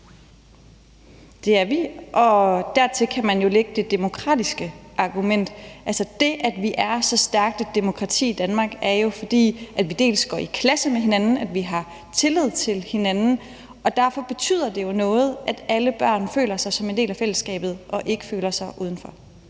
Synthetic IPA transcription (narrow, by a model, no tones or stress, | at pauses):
d̥e̝æɐʋiʔɒ̽d̥æɐt͡sʰe̝kʰæmænjo̝leɡ̥əd̥e̝d̥e̝mo̝kʰʁɑ̰ːd̥isɡ̥əʔɑ̈ɡ̥umen̰d̥ælsɐd̥e̝ʔæd̥ʋiʔæɐsɒ̽sd̥æɐɡ̥̚d̥əd̥e̝mo̝kʰʁɑ̈t͡sʰḭːid̥ænmɑ̈ːɡ̥æɐjo̝fɒ̽d̥ḭːʔæd̥ʋid̥e̝̰ːlsɡ̥ɒ̰ːikʰlæsəmeɦe̝nænn̩æd̥ʋiɦɑ̈ | t͡sʰe̝lið̞̰ˠt͡sʰe̝lhe̝nænn̩ | ʔɒ̽d̥æɐfɒ̽b̥e̝t͡sʰy̰ð̰ˠɐd̥e̝jo̝nɔ̽ːð̞̩ˠʔæd̥æləb̥ɶ̰ɐ̰nfø̰ːlɐsɑ̈ɪsɒ̽me̝nde̝̰ːlæfel̰əsɡ̥ɛ̰ːb̥ð̞̩ˠʔɒ̽ʔe̝ɡ̥ə̥fø̰ːlɐsɑ̈ɪʔuːðˠn̩fɒ̽